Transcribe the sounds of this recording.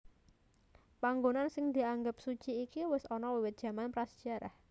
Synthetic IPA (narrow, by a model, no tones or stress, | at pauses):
paŋɡonansɪŋd̪i̤aŋɡəp̚su̥t͡ʃiːkiwɪsɔnɔwiwɪt̪̚dʒ̥a̤manpɾasd̥d͡ʒ̥aɾa̰h